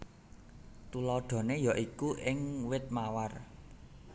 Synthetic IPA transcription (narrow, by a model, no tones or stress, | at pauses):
t̪ulɔɖ̪̥ɔ̤nejɔʔikuʔɪŋwɪt̪̚mawar